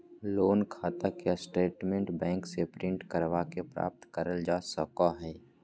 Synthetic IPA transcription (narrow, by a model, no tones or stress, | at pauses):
loːnkʰaːt̪akjasʈeːʈmẽɳʈbɛ̃ːŋksepɾɪ̃ɳʈkəɾʋakepɾa̰ːp̚t̪kəɾəld͡ʒaːsəkaɦɛː